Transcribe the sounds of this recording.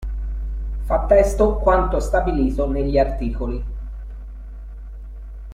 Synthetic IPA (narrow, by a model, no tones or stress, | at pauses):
fat̪ːɛst̪okwant̪ost̪abiliːt̪oneʎːiart̪iːkoli